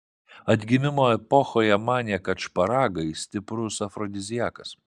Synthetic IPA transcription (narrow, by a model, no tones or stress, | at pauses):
ɐd̪ʲɡʲɪmʲɪmoːɛpɔxoːjɛmɑːnʲɛkɐt͡ʃpɐɾɑːɡɐɪsʲt̪ʲɪpɾʊsɐfɾɔd̪ʲɪzʲɪjæːkɐs